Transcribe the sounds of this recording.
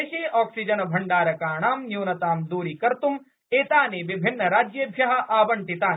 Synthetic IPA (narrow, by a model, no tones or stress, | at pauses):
eːʃeːʔaːksid͡ʒɐnɐbʱɐɳɖaːɾɐkaːɳaːmnjuːnɐt̪aːmd̪uːɾikɐɾt̪um | eːt̪aːneːʋibʱinːɐɾaːd͡ʒjɐbʱjɐɦɐ̆ʔaːbɐɳʈit̪aːn